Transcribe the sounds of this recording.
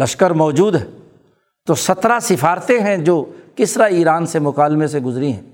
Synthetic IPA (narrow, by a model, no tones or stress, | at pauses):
lɐʃkəɾmɔːd͡ʒuːd̪ɦɛː | t̪osɐt̪ɾasɪfaːɾt̪eɦɛ̃d͡ʒoːkɪsɾaiːɾaːnsemʊkaːlmẽseɡʊzɾiɦɛ̰̃ː